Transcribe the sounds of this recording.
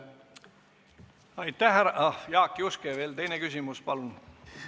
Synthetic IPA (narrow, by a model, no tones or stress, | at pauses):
ɑjt̪ːˑæhæɾɑʔɑjɑːkːˑiuskeve̞ːlt̪e̞jnekys̬ʲimuspɑlun